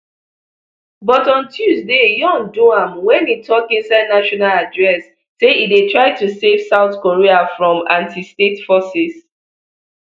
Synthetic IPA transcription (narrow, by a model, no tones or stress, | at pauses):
bɔtɔ̃ntʰjuzdejɔ̃ŋdoãmwɛ̃nitʰɔkĩnsaɪdnaʃɔnaladɹɛsː | eidetʰɹaɪtusev̥saʊθkɔɹiafɹɔ̃mãntistetfɔsis